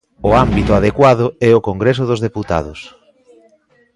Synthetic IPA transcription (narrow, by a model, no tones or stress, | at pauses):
ʊambit̪ʊað̞ekwaðʊɛokoŋɡɾes̬ʊðʊzðeput̪a̰ð̞ʊs